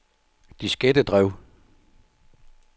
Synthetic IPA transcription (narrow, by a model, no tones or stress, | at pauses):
d̥isɡ̥ed̥əd̥ʁɛʊ̰